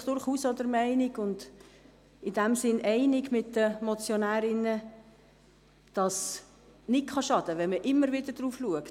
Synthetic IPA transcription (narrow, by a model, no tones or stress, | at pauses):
d̥ʊɾχuːsod̪əɾmɛɪnɪɡʊnd | ɪdæmsɪnʔɛɪnɪɡmɪtdəmɔt͡sjonæːɾɪnə | d̥ɑs | nɪkχɑʃɑd̥̪əʋɛnməʔɪmːəɾvɪdədɾuːfluək